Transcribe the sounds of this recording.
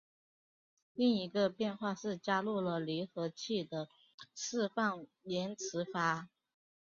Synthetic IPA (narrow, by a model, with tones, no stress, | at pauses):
li˥˩ŋi˧˥ɡə˧pjɛ˥˧nxwa˥˧ʂɻ̩˥˩t͡ɕja˥lu˥˩lə˩li˧˥nxɤ˧˥t͡ɕʰi˥˩d̪ə˩ | ʂɻ̩˥˧fɑ˥˩ŋ | ljɛ˧˥nt͡s̩ʰ˧˥fa˥